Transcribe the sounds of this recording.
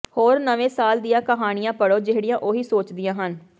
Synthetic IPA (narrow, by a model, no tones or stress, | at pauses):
hoːɾnəʋẽːsaːld̪ijãːkəɦaːɽ̃ɪjãːpəɽoːd͡ʒɪɦɽɪjãːʔoːɦiːsoːt͡ʃd̪ijãːɦən